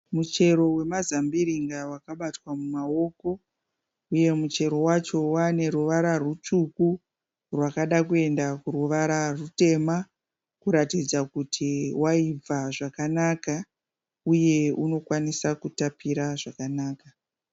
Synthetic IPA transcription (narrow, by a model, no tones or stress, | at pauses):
mut͡ʃe̞ɾo̞we̞mazambiɾiŋɡawakaɓatwamumao̞ko̞ | uje̞mut͡ʃe̞ɾo̞wat͡ʃo̞wane̞ɾuʋaɾarut͡ʂuku | rwakaɗakue̞ndakuruʋaɾarute̞ma | kuɾatid͡zakutʰiwaib͡vaʐakanaka | uje̞uno̞kwanisakutapiɾaʐakanaːka